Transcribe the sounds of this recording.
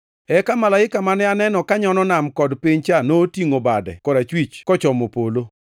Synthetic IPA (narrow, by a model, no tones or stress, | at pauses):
ɛkamalaɪkamanɛanɛnɔkaɲɔnɔnamkɔdpiɲt͡ʃanotiŋobadɛ̰kɔɾat͡ʃwit͡ʃkɔt͡ʃɔmopolo